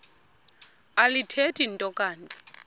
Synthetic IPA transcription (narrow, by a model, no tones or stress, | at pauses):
alitʰetʼintʼɔkʼaːntʼi̥